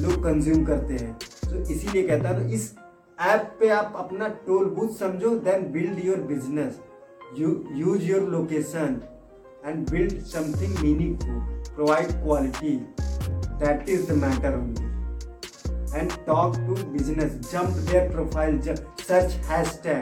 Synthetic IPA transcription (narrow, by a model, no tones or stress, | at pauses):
loːɡ̚kə̃nzjuːmkɐɾt̪eɦɛ̃ːsoːʔɪsiliekɛɦt̪aɦɛt̪oɪs | ɛːpːeaːpɐpnaʈoːlbut̪sɐ̃md͡ʒʱõd̪ɛ̃nbɪlɖjoɾbɪd͡ʒnəs | jujuːzjoːɾloːkeːʃən | ɛ̃ɳɖbɪlɖsɐ̃mt̪ʰɪ̃ŋɡmiːnɪ̃ŋfʊlpɾoʋaːɪɖkwɔːlɪʈi | d̪æʈɪzd̪əmæːʈəɾɦõndi | ɛ̃ɳɖʈɔːkʈubɪd͡ʒnəsd͡ʒɐ̃mpd̪eːɾpɾoːpʰaːɪld͡ʒsɐt͡ʃhɛsʈɛ̃ː